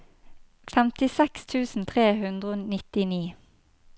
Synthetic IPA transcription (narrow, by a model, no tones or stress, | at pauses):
fɛmt̪ɪsɛkst̪ʰʉːsn̩t̪ʰʁeːhʉnd̪ʁəonɪt̪ɪniː